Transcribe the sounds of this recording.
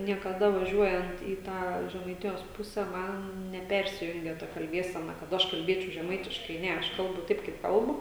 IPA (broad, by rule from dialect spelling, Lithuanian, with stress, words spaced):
nʲiɛkɐˈdɐ ʋɐˈʒʲuɔjɛnt iː ˈtɑː ʒʲɛmɐɪˈtʲɪjoːs ˈpʊsʲɛ ˈmɐn nʲɛˈpʲɛrʲsʲɪjʊŋʲɡʲɛ tɐ kɐlʲˈbʲiɛsʲɛnɐ kɐt ˈɐʃ kɐlʲˈbʲeːt͡ʃʲɛʊ ʒʲɛˈmɐɪtʲɪʃkɐɪ ˈnʲɛ ˈɐʃ ˈkɐlˠbʊ ˈtɐɪp kɐɪp ˈkɐlˠbʊ